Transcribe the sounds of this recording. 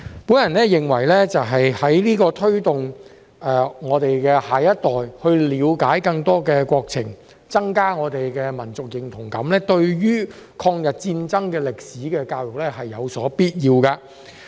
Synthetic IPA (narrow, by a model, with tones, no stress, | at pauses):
puː˨˥njɐ˨˩nlɛː˥jɪ˨˩ŋwɐ˨˩jlɛː˥t͡sɐ˨wɦɐ˨jhɐ˨˥jliː˥kɔː˧t̪ʰɵ˥ɥt̪ʊ˨ŋ | ɛː˨ŋɔː˨˧t̪e˨jkɛː˧haː˨jɐ˥t̚t̪ɔː˨jhɵ˧ɥliː˨˥wkaː˨˥jkɐ˧ŋt̪ɔː˥kɛː˧kʷɔː˧k̚t͡sʰɪ˨˩ŋ | t͡sɐ˥ŋkaː˥ŋɔː˨˧t̪e˨jkɛː˧mɐ˨˩nt͡sʊ˨k̚jɪ˨˩ŋt̪ʰʊ˨˩ŋkɐ̰˨˥mlɛː˥t̪ɵ˧ɥjyː˥kʰɔː˧ŋjɐ˨t̚t͡siː˧nt͡sɐ˥ŋkɛː˧lɪ˨k̚siː˨˥kɛː˧kaː˧wjʊ˨k̚lɛː˥hɐ˨jːɐ˨˧wsɔː˨˥piː˥t̚jiː˧wkaː˧